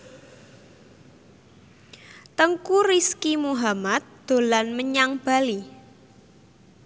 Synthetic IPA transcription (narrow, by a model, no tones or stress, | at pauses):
t̪əŋkuriskimuɦamat̪̚d̪̥o̤lanməɲaŋb̥a̤li